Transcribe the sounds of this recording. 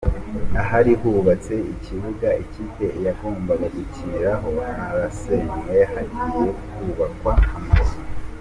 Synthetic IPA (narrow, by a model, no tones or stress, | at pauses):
aɦaɾihuːβat͡se̞icʰiβuɡaicite̞jaɡo̞ːmbaɡaɡucʰiɾaɦoaɾasemwehaɾiijokhuβakwahamazi